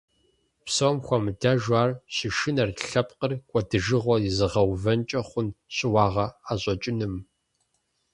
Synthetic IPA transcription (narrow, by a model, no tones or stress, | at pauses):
psɐwmxʷɔmɨdaʒʷaːrɕɪʃɪnɐrɬɐp̚qərkʷʼɔdɨʒɨʁʷɔizɨʁɐwvɐnt͡ʃʼɐχʷʊnɕɪwɑːʁɐaːɕʼɔt͡ʃʼɪnɨm